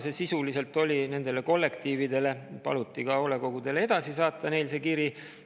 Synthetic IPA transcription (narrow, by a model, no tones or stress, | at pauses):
se̞sisulise̞lt̪ːˑo̞lʲine̞nd̪e̞le̞ko̞lːe̞kt̪iːvid̪e̞le̞pɑ̰lut̪ːˑikɑo̞le̞ko̞ɡ̥ud̪e̞lee̞d̪̥ɑsisɑːt̪ːˑɑne̞jlse̞kiɾi